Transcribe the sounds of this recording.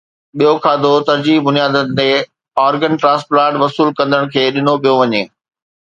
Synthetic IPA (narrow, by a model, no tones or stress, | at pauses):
ɓijokʰaːd̪ot̪ɐɾd͡ʑiːɦbʊnijaːd̪ənɪ̆t̪e | ɔːɾɡənʈɾãːsplaːʈʋɐsuːlkɐ̃nd̪əɽ̃kʰeːɗɪnopijoʋɐɲeː